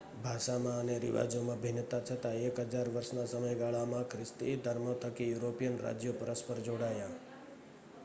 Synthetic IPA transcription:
bʱaʃamãəneɾḭʋa̰d͡ʒomãbʱinːət̪at͡ʃʰət̪aekɦəd͡ʒaɾʋəɾʃnasəməjɡaɭamãkʰɾɪst̪id̪ʱəɾmot̪ʰəkijuɾopijənɾa̰d͡ʒjopəɾəspəɾd͡ʒoɽaja

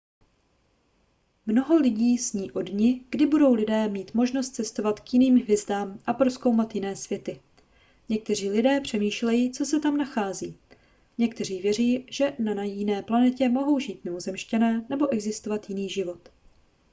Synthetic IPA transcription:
mno̞ɦo̞lɪɟiːzɲiːʔo̞dɲɪɡ̥dɪbudo̞wlɪdɛːmiːt̪mo̞ʒnost̪̚t͡sɛst̪o̞vat̪kjɪniːmɦvjɛzdaːmʔapɾo̞sko̞wmat̪jɪnɛːsvjɛt̪ɪ | ɲɛk̚t̪ɛr̝iːlɪdɛːpr̝̥ɛmiːʃlɛjit͡so̞sɛt̪amnaxaːziː | ɲɛkt̪ɛr̝iːvjɛr̝iːʒ̥ɛnanajɪnɛːplanɛcɛmo̞ɦo̞wʒiːt̪nɛozɛmʃcɛnɛːnɛbo̞ʔɛɡzɪst̪ovat̪jɪniːʒɪvo̞t̪

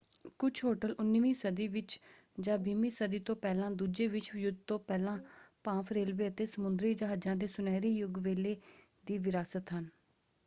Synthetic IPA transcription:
kʊt͡ʃʰɦoːʈəlʊnːʋiːsəd̪iːʋɪt͡ʃ | d͡ʒãːbiːmiːsəd̪iːt̪õːpɛːlãːd̪uːd͡ʒeːʋɪt͡ʃjʊd̪̚t̪õːpɛːlãːpãːpʰɾeːlʋeːət̪eːsəmʊnd̪ɾiːd͡ʒəɦaːd͡ʒãːd̪eːsʊnɛːɾiːjʊɡʋeːleː | d̪iːʋɪɾaːsət̪ɦən

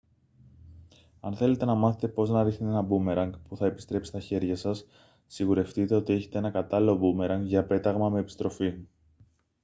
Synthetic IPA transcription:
ɐnθe̞le̞t̪e̞nɐmɐθet̪e̞po̞znɐɾixnit̪e̞nɐbume̞ɾɐŋɡpuθɐepist̪ɾe̞psist̪ɐçe̞ɾʝɐsɐsː | iɣuɾe̞ft̪it̪e̞o̞t̪ie̞çe̞t̪e̞e̞nɐkɐt̪ɐlilo̞bume̞ɾɐŋɡʝɐpe̞t̪ɐɣmɐme̞ːpi̥st̪ɾo̞fi

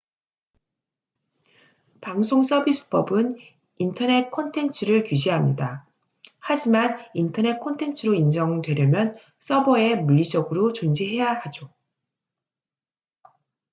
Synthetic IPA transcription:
paŋsʰoŋs͈ʌbis͈ʰɯ̥pʌbɯn | intʰʌne̞t̚kʰʌntʰe̞nt͡ɕʰɯɾɯɭkuɕ̬ʰiɦamɲida | had͡ʑimanintʰʌne̞kʰontʰe̞nt͡ɕʰɯɾoind͡ʑʌŋdwe̞ɾjʌmjʌn | s͈ʌbʌe̞muʎːid͡ʑʌɡɯɾot͡ɕond͡ʑiɦe̞jahad͡ʑo

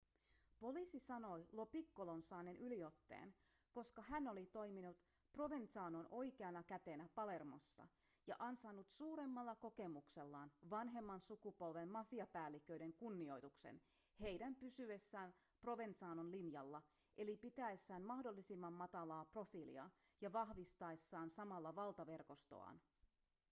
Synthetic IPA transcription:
po̞lisisɑno̞jlo̞pikːolonsɑːnenʔylio̞t̪ːe̞̰ːn | ko̞skɑhæno̞lit̪o̞jminut̪ | pro̞ʋent̪sɑːno̞nʔo̞jke̞ɑnɑkæt̪e̞næpɑle̞rmo̞̰sːɑ̰ | jɑ̰ʔɑnsɑnːut̪suːɾe̞mːɑlːɑko̞ke̞mukse̞lːɑːnʋɑnɦe̞mːɑnsukupo̞lʋe̞mmɑfiɑpæːlːikø̞jde̞ŋkunːio̞jt̪uksḛnhe̞jdæmpysyesːæːnpro̞ʋe̞nt̪sɑːnonlinjɑlːɑ | ʔe̞lipit̪æesːæːnmɑhdo̞lːisimːɑmːɑt̪ɑlɑːpro̞filḭɑ̰jɑʋɑhʋist̪ɑesːɑːnsɑmɑlːɑʋɑlt̪ɑʋe̞rko̞st̪o̰ɑ̰ːn

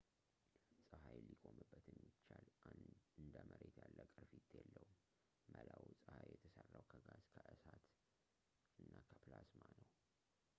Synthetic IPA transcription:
sʼɨhajlːikʼo̞mɨbːət̪jɛmːit͡ʃːalanɨnd̪əməɾet̪jalːəkʼɨɾfit̪ʰjɛlːəhum | məlawsʼɨhajjɛt̪ʰəsərːawkʰəɡazkʰəʔɨsat̪ | ɨnːakʰəplasmanəw

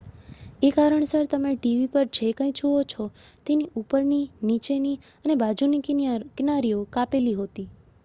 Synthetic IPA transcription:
ekaɾəɳsəɾt̪əmeʈiʋipəɾd͡ʒʰʱekə̃ĩd͡ʒuot͡ʃʰɔt̪eniʔupəɾninit͡ʃeni | ənebad͡ʒunikɪnaɾijokapeliɦot̪i

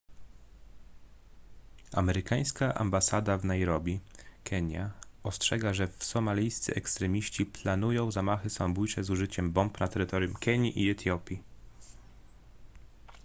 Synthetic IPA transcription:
a̰mɛɾɘkaj̃skaʔa̰mbasad̪avnajɾɔbʲikʰɛɲja̰ɔstʂɛɡaʐɛfsɔmalʲijst̪sɘ̰ɛkst̪ɾɛmʲiɕt͡ɕiplanujɔ̃w̃zamaxɘsambujt͡ʂɛzuʐɘt͡ɕɛmbɔmpnat̪ɛɾɘt̪ɔɾʲjumkɛɲiʔiɛt̪jɔpʲi

